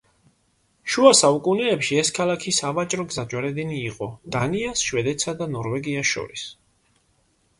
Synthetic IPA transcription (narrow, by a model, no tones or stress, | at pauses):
ʃuasaukʼunɛɛpʃiɛskʰalˠakʰisavat͡ʃʼɾɔɡzad͡ʒʼwaɾɛd̪ɛniːqʼɔd̪̥aniasʃwɛd̪ɛt̪sʰad̪anɔɾvɛɡiaʃɔ̰ɾis